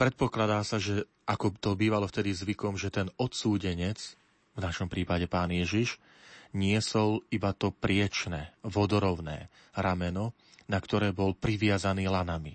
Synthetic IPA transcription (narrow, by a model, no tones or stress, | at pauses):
pɾɛt̪̚pɔklad̪aːsaʒɛ | ʔakɔt̪ɔbiːʋalɔft̪ɛd̪izʋikɔmʒɛt̪ɛnɔt̪suːɟɛɲɛt͡s | vnaʃɔmpɾiːpaɟɛpaːnjɛʒiʃ | ɲɪɛsɔlibat̪ɔpɾɪɛt͡ʃnɛʋɔd̪ɔɾɔʊnɛː | ɾamɛnɔ | nakt̪ɔɾɛːbɔlpɾiʋɪazaniːlanami